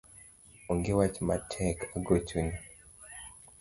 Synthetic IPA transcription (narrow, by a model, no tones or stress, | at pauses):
oŋɡewat͡ʃmatʰɛkaɡot͡ʃuni